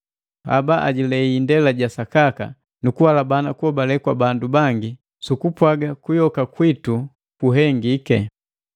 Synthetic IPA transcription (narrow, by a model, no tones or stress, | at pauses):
a̰baʔa̰ɟilɛiːndɛlaɟasakaka̰ | nukuwalabanakuhɔbalɛkwabandubaŋɡi | sukupwaɡakujɔkakwitu | kuɦɛŋɡikɛ